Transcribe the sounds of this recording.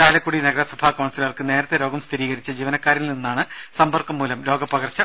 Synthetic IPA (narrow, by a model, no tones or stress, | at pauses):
aːlɐkːuːɽinɐɡɐɾɐsɐbʱaːkoːɳsilarkɨne̞ːɾɐt̪ːeɾoːɡɐmst̪ʰiɾiːɣɐɾit͡ɕːɐd͡ʑiːʋɐnɐkːaːɾilninːaːɳɨsɐmbɐrkːɐmːuːlɐmɾo̞ːɡɐpːɐɡɐrt͡ɕːɐ